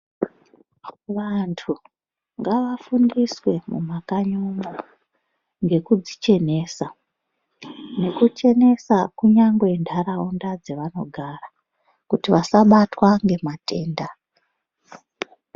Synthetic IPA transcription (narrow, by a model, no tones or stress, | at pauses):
ʋantʰu | ŋɡaʋafundiswe̞mṵmakaɲomo | ŋɡe̞kud͡zit͡ʃe̞ne̞ːsa | ne̞kut͡ʃe̞ne̞sakuɲaŋɡwendʱaɾaondad͡zeʋano̞̰ɡʱara | kutiʋasaɓatwaŋɡe̞mate̞ːnda